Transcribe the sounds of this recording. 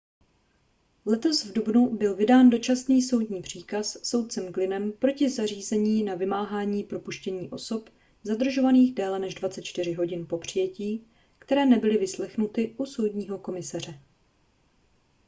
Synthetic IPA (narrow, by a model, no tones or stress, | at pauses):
lɛt̪o̞svdubnubɪlvɪdaːndo̞t͡ʃasniːso̞wdɲiːpr̝̥iːkasːo̞wt̪̚t͡sɛmɡlɪnɛmpɾo̞cɪzar̝iːzɛɲiːnavɪmaːɦaːɲiːpɾo̞puʃcɛɲiːʔo̞so̞p | zadr̩ʒo̞vaniːxdɛːlɛnɛʒdvatt͡sɛt̪̚t͡ʃt̪ɪr̝ɪɦo̞ɟɪnpo̞pr̝̥ɪjɛciː | kt̪ɛɾɛːnɛbɪlɪvɪslɛxnut̪ɪʔuso̞wdɲiːɦo̞ko̞mɪsar̝ɛ